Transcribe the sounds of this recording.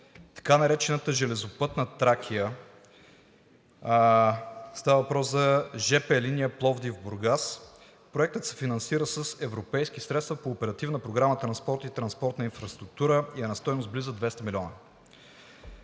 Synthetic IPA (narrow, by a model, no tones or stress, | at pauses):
t̪ɐ̥kanɐɾɛt͡ʃɛnət̪əʒɛlɛzopɤt̪nət̪ɾak̟ʰijə | st̪avəvɐpɾɔszɐʒɛpɛlinijəplˠɔvd̪ivboɾɡas | pɾoɛk̚t̪ət̪sɛ̥finɐnsiɾəsəsɛvɾopɛjskisɾɛt̪st̪vɐpoːpɛɾɐt̪ivnəpɾoɡɾamət̪ɾɐnspɔɾt̪it̪ɾɐnspɔɾt̪nəinfɾɐst̪ɾuk̚t̪uɾəiɛnɐst̪ɔjnost̪̚blizəd̪vɛst̪ɐmilʲɔnə